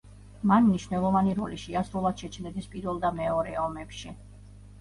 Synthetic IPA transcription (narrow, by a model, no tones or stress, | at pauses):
manmniʃvnɛlˠɔvaniɾɔ̰liʃiasɾulˠad̪̥ʃɛt͡ʃʰnɛd̪ispʼiɾwɛlˠd̪amɛɔɾɛɔmɛpʃi